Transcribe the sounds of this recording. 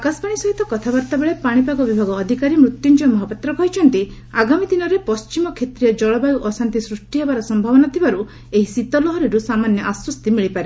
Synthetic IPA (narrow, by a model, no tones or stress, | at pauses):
akasbaɽ̃isɔɦit̪ɔkɔt̪ʰabaɾt̪abeɭepaɽ̃ipaɡɔbibʱaɡɔːd̪ʱikaɾimɾut̪junt͡ʃɔmɔɦapat̪ɾɔkɔjt͡ʃʰɔnt̪i | aɡamid̪inɔɾepɔst͡ʃimɔkʰet̪ɾijɔd͡ʒɔɭɔbajuʔɔsant̪isɾusʈiɦebaɾɔsɔmbʱabɔnat̪ʰibaɾu | eɦisit̪ɔlɔɦɔɾiɾusamanjɔʔaswɔst̪imiɭipaɾe